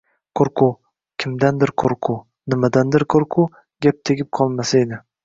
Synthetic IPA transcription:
qʰoɾqʰʊ | kʲʰɪmd̪and̪ɪɾqʰoɾqʰʊ | nɪmad̪and̪ɪɾqʰoɾqʰʊ | ɡʲap̚t̪ʰeɡʲɪp̚qʰɒlˠmasaed̪ɪ

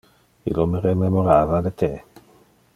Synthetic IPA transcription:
ḭloməɾememoɾavadet̪ʰe

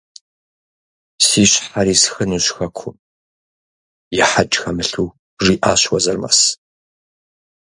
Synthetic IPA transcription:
siːɕħaɾiːsxɨnuɕxɐkʷʰʊm | jɛħat͡ʃʼxɐmɨɬuː | ʐiːʔaːɕwɐzɐrmɐ̰s

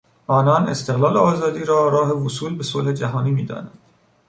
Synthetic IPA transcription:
ʔɒːnɒːne̞st̪eɣlɒːleɒːzɒːd̪iːɾɒːɾɒːɦevosuːlbe̞solhed͡ʒæɦɒːniːmiːd̪ɒ̰ːnænd̪̥

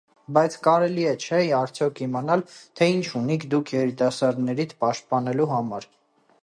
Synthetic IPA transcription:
bɑjt͡sʰkɑɾɛliɛt͡ʃʰɛiɑɾt͡sʰjɔkʰimɑnɑlt̪ʰɛint͡ʃʰunikʰd̪ukʰjɛɾit̪ɑsɑɾd̪nɛɾit̪ʰpɑʃt̪̚pɑnɛluɦɑmɑɾ

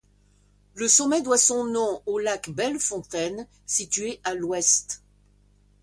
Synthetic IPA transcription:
ləsɔmɛd̪wasɔ̃nɔ̃olakbɛlfɔ̃t̪ɛn | sit̪ɥeʔalwɛst̪

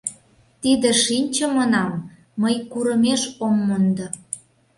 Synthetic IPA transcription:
t̪id̪ĕʃinʲt͡ɕəmənɑmː | əjkuɾə̆meʃomːond̪ə

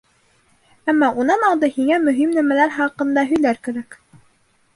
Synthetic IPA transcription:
æmːɑʔunɑnɑlˠd̪ɤhiŋæmɵ̆ɦimnæmælæɾχɑqɤ̆nd̪ɑɦɵ̆jlæɾkæɾæk

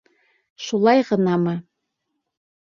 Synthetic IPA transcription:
ʃulˠɑjʁɤ̆nɑmɤ

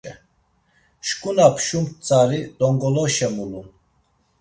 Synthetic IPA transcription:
ɛ | ʃkʼunapʰʃumt͡sʼaɾid̪̥ɔŋɡɔlɔʃɛmulun

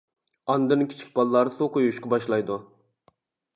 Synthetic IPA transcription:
ɑnd̪ɨnkʲʰi̥t͡ʃʰi̥k̚ʲbɑlˠːɑɾsoqʰojuʃqɑbɑʃlˠɑjd̪u

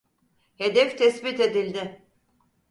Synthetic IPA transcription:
hed̪ɛft̪ʰɛsbit̪e̞d̪ilʲd̪ɪ

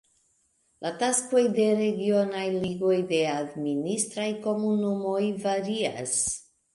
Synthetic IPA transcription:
lʔatasko̞jde̞ɾe̞ɡio̞najliɡo̞jde̞administɾajko̞munumo̞jvaɾia̰s

